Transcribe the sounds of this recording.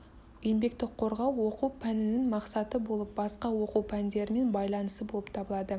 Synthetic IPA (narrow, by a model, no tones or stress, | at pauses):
enbe̞k̚t̪ɪk̚qʰo̞ɾʁɑwːo̞qupʰænɪnɪŋmɑqsɑt̪əbo̞lˠəp̚bɑsqɑwo̞quwpʰænd̪e̞ɾɪme̞nbɑjlˠɑnəsəbo̞lˠəpt̪ʰɑbəlˠɑd̪ə